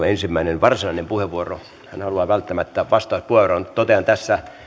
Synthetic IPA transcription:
ensimːæinenʋɑrsinɑinempuheʋuoro | hæ̰nhɑluɑːʋælt̪ːæmæt̪ːæʋɑst̪ɑːspuheʋoront̪ot̪eɑnt̪æsːæ

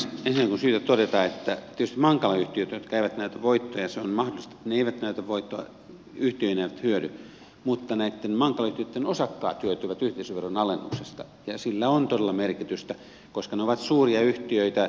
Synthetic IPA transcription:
ensinːækikunsyːt̪æt̪odet̪ɑːet̪ːæt̪iet̪yst̪imɑŋkɑlɑyht̪iøt̪jot̪kæiʋæt̪næˑyt̪æʋoit̪ːojɑseonmɑhdolist̪e̥t̪ːneeiʋæt̪næyt̪æʋʋoit̪ːoɑ̰ | yht̪iøinæiʋæt̪hyøɾy | mut̪ːɑnæit̪ːenmɑŋkɑlɑyht̪iøt̪ːenosɑkːɑ̰ːt̪hyøt̪yʋæt̪yht̪eˑisyʋerːonɑlenːṵksest̪ɑ | jɑsilːæont̪oelːɑmerkit̪yst̪æ | koskɑneoʋɑt̪suːriɑyht̪iøit̪æ

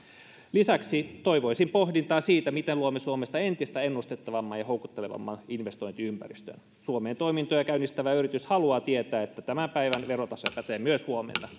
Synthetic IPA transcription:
lisæksit̪oiʋoisimpohdint̪ɑːsiːt̪æmit̪eluomesuomest̪ɑent̪ist̪æenːust̪et̪ːɑʋɑmːɑːjɑho̞uwkut̪ːeleʋɑ̰mːɑninʋest̪o̞int̪iympæ̰rist̪ø̰n | suomeːnt̪o̞imint̪ojɑkæynːist̪æʋæyrit̪yshɑluɑːt̪iet̪æːet̪ːæt̪æmæmpæiʋænʋeɾot̪ɑsojpæt̪eːmyøshuomḛnːɑ

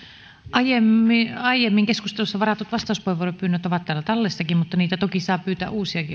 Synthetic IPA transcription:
ʔɑjemːiɑijemːiŋkeskust̪elusːɑʋɑrɑt̪ut̪ʋɑst̪ɑˑuspoheʋuoropyːnːøt̪oʋɑt̪t̪ːæːlːæt̪ɑlːesːɑkimmut̪ːɑniːt̪æt̪okisɑːpyːt̪æ̰ʔʔuːsiɑki

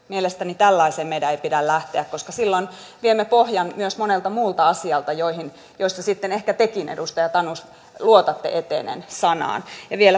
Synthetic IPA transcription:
mielest̪ænit̪ælːɑiseːmmedæeipidællæht̪eækkoskɑsilːon | ʋiemːepohjɑnmyøsmonelt̪ɑmuːlt̪ɑɑsiɑlt̪ɑjoihin | joist̪ːɑsit̪ːenehkæt̪ekinḛdust̪ɑjɑt̪ɑnus | luot̪ɑt̪ːḛʔet̪ḛnḛnsɑnɑ̰ːnjɑʋielæ

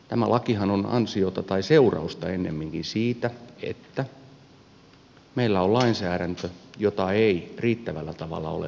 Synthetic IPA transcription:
t̪æmæ̰lʔɑkihɑnonɑ̰nsiot̪ɑt̪ɑiseurɑ̰ust̪ɑenːḛmːiŋkinsiːt̪æḛt̪ːæ | meilːæollɑinsæːɾænt̪øjot̪ɑeiriːt̪ːæʋælːæt̪ɑʋɑ̰lːɑ̰o̰lḛ

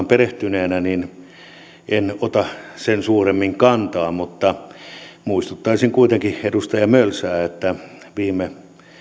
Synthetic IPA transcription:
mpereht̪yneːnænin | ʔenot̪ɑsensuːremːiŋkɑnt̪ɑːmut̪ːɑ | muist̪ut̪ːɑisiŋkuit̪eŋkiedust̪ɑjɑmølsæːet̪ːæʋiːme

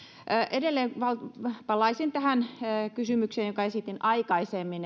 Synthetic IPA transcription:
ʔedelːeːʋɑlpɑlːˑɑisint̪æhænːkysymykseːnjokɑesit̪inɑikɑisemːin

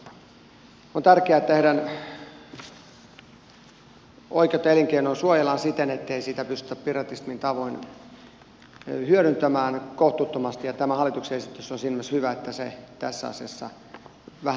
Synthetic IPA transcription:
ont̪ærkeæt̪ːeɾæn | o̰ikeot̪ːɑeliŋkeinonsuojelɑnsit̪enet̪ːeisit̪æpyst̪y̥̆t̪æppirɑt̪ismint̪ɑʋoin | hyøɾynt̪æmæːnkoht̪ut̪ːomɑst̪ijɑt̪æmæhɑlːˑit̪ukseesit̪ːysːonsilmɑshyʋæet̪ːæset̪æsːæ̰ɑ̰siɑsːɑ̰ | ʋæhæ

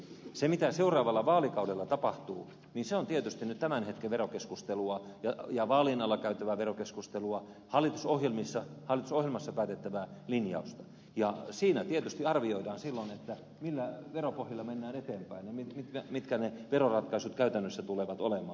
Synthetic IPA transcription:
semit̪æseurˑɑːʋɑlːɑʋɑːlikɑudelːɑt̪ɑpɑht̪uː | niːnseont̪iet̪yst̪inyt̪t̪æmænhet̪keʋʋerokeskust̪eluɑjɑjɑʋɑːlinɑlːɑkæyt̪ːæʋæʋerokeskust̪eluɑ | hɑlːˑit̪usohjelmisːɑhɑlːit̪usohjelmɑsːɑpæːt̪et̪ːæʋælinjɑ̰ust̪ɑ | jɑsiːnæt̪iet̪yst̪iɑrʋioidɑːnsilːonet̪ːæ | milːæʋeropohjilːɑmenːæːnet̪eːmpæinemimit̪mit̪kæneʋerorɑt̪kɑisut̪kæyt̪ænːøsːæt̪uleʋɑt̪olemɑ̰ː

